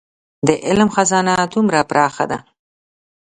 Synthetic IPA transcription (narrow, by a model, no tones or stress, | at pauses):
d̪əʔɪlmxazɑːnat̪umɾapɾɑxa̰d̪a̰